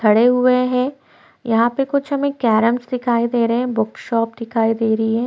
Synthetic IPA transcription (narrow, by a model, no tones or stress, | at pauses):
tʰɐɽeɦʊeɦɛ̃ː | jɐɦãpekʊt͡ʃʰɦɐmekɛːɾəmsd̪ɪkʰaːid̪eːɾɐɦɛ̃bʊkʃɔːp̚d̪ɪkʰaːid̪eːɾɐɦiɦɛ̃ː